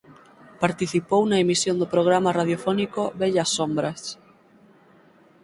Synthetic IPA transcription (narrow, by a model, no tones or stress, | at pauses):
paɾt̪iθipownaemisjond̪opɾoɣ̞ɾamaraðjofɔnikoβeʎasːombɾas